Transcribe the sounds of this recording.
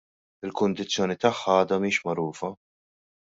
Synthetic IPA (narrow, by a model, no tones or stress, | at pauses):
ɪlkʊnd̪ɪt͡sːjɔːnit̪ɐħːɐɐːd̪ɐmiːʃmɐɾuːfɐ